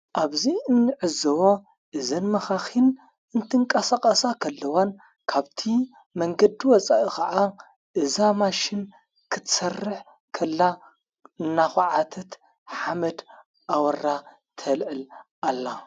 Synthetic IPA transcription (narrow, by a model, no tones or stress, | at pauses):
ʔaβziɨnːɨʕɨzɐwo | ʔɨzɐnmɐxaxin | ʔɨnt̪ʰɨŋkʼɐsakʼɐsakʰɐlːɐwan | kʰaβt̪ʰi | mɐŋɡɐd̪iwɔt͡sʼaʔikʰɐʔa | ʔɨzamaʃɪn | kʰɨt̪ʰsɐrːɨħ | kʰɐlːa | ɨnːaxʕat̪ʰɐt̪ | ħamɐd̪ | ʔawɐɾa | t̪ʰɐlʕɨlʔalːa